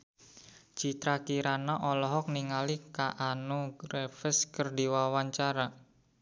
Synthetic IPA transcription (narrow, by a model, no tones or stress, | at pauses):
d͡ʒ̥i̤t̪ɾakiɾanaʔɔlɔɦɔk̚niŋalikaʔanuɡɾefəskərdiwawaɲt͡ʃaɾa